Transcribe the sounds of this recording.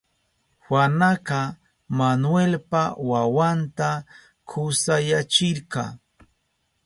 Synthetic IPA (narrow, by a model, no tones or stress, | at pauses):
xwanaqɑ | manwelpawawant̪a | kʰʊsajat͡ʃɪɾqɑ̰